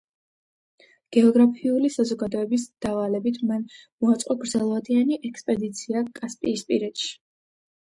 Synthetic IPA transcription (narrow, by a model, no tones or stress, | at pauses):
ɡ̥ɛɔɡɾapʰiulisazɔɡad̪ɔɛbisd̪̥avalɛbit̪ʰmanmɔat̪sʼqʼɔɡɾd̪zɛlˠvad̪ianiʔɛkspʼɛd̪it̪sʰiakʼaspʼiːspʼiɾɛt̪ʃi̥